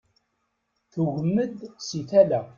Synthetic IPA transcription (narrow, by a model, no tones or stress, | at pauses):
θuʝəmːəd̪siθælæ